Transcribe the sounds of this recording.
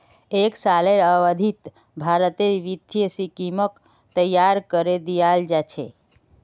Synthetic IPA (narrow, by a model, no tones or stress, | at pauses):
eksaleɾəʋəd̪ʱit̪ | bʱaɾət̪eʋit̪jsikimək | t̪əjːaɾkəɾed̪ijald͡ʒat͡ʃʰḛ